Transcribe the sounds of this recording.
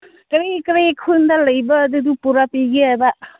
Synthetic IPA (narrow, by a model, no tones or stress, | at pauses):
kɐɾikɐɾijkʰund̪alɐjbɐːd̪ud̪upuɾapiɡiaba